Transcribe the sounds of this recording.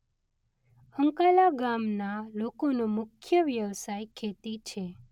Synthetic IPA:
əŋkalaɡamnalokonomʊkʰjəʋjəʋsajkʰet̪it͡ʃʰe

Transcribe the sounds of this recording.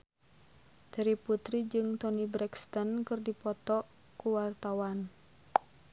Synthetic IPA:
d̥aɾiput̪ɾid͡ʒɨŋt̪ɔnibɾɛkst̪ɔnkɨrdipɔt̪ɔ | kuwart̪awan

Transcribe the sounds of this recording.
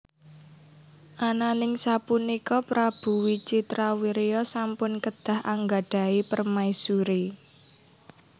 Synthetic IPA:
ʔananɪŋsapunikɔpɾab̥ṳwit͡ʃit̪ɾawiɾeɔsampʊnkəd̪̥ä̤ha̰ŋɡaɖ̥a̤ipərmaisuɾi

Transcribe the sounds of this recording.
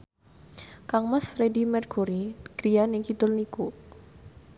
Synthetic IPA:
kaŋmasfɾedimɛrɡuɾiɡ̥ɾianikit̪ʊlniku

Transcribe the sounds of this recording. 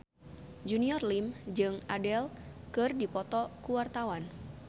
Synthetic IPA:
d͡ʒuniɔrlimd͡ʒɨŋʔadɛlkɨrdipɔt̪ɔkuwart̪awan

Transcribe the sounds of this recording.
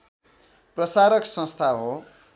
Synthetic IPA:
prʌsaɾʌksʌ̃st̪ʰaɦo

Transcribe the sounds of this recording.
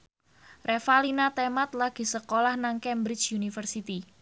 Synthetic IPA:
refalinat̪emat̪̚laɡ̥i̤səkolahnaŋkɛmbɾɪt͡ʃjunifərsit̪i

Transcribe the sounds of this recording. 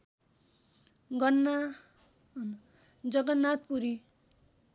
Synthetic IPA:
ɡʌnːa | n | d͡zʌɡʌnːat̪̚puɾi

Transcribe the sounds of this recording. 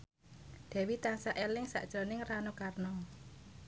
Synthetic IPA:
d̪̥ɛ̤wit̪ansaʔelɪŋsa̰ʔd̥ʒ̥ɾo̤nɪŋranukarnɔ

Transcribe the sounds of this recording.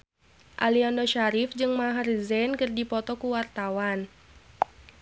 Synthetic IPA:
ʔaliandɔʃaɾifd͡ʒɨŋmaɦarzɛnkɨrdipɔt̪ɔkuwart̪awan

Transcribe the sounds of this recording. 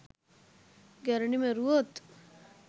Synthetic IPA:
ɡɛɾɳimẽɾuot̪

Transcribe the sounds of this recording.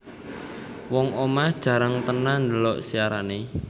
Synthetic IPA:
wɔŋomasd̥ʒ̥ä̤ɾaŋt̪ənand̪əlɔʔsiaɾane

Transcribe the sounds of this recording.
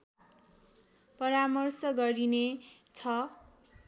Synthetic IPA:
pʌɾamʌrsʌɡʌɾinet͡sʰʌ

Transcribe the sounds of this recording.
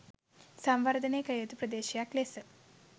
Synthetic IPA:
sɐmʋɐɾd̪ʱɐneːkɐjɐt̪upɾɐd̪eːʃijaklesə

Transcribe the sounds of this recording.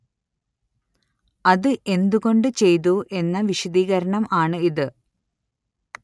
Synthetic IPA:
ɐðɨʔe̞nd̪uɣo̞ɳɖɨt͡ɕe̞jðuʔe̞nːɐʋiɕɐd̪iːɣɐɾɐɳɐmaːɳɨiðɨ

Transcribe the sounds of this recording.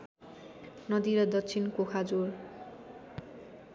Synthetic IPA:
nʌd̪iɾʌd̪ʌt͡sʰinkokʰad͡zor

